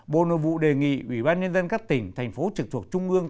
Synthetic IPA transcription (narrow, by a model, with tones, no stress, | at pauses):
ɓo̰˧˨no̰˧˨jvṵ˧˨ɗe˨˩ŋḭ˧˨ʔwi˧˩ɓaː˧nɲə˧nzə˧nkaː˦˥k̚t̪ï˧˩ŋ̟t̪ʰa˨˩jŋ̟fo˨˦t͡ɕɨ˨˩k̚t̪ʰək̚t͡ɕʊ˧ŋ͡mʔɨ˧əŋ